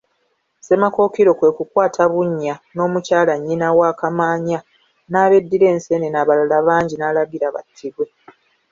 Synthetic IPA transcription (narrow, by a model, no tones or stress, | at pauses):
se̞mako̞ːkiɾo̞kwe̞kukwaːtʰaβuɲːano̞ːmucaːlaɲːinawaːkamaːɲa | naːβe̞dːiɾe̞ːnse̞nenaβalalaβaːɲɟinalaɡiɾaβa̰tʰːiβwe̞